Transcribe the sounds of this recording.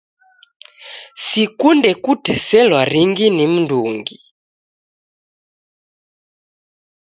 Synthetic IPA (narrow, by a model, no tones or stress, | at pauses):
sikundɛkutɛsɛlwaɾiŋɡinim̩nduːŋɡi